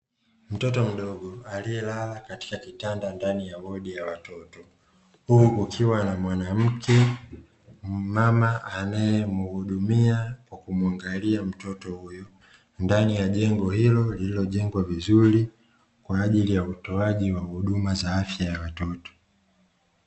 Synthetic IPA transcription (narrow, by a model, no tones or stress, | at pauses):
m̩tɔtɔm̩ɗɔɠɔaliɛlalakati̥kakitandandanijaɓɔɗijawatɔtɔ | huukʰiwanamwanam̩kʰɛ | mamaʔanajɛmuhuɗumiakwakumuaŋɡaliam̩tɔtɔhujɔ | ndanijaʄɛŋɡɔhilɔlililɔʄɛŋɡwavizuɾi | kwaːʄilijautɔaʄiwahuɗumazaafjajawatɔtɔ̥